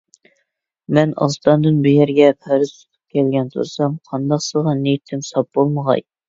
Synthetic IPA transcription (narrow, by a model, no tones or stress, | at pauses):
mɛnɑ̰st̪ɑnd̪ɨnbujɛɾɡʲɛpʰæɾɨzt̪ʰu̥t̪ʰu̥p̚kʲɛlɡʲɛnt̪ʰṵɾsɑmqʰɑnd̪ɑqsəʁɑnejit̪ʰːɪmsɑp̚b̥olˠməʁɑ̰j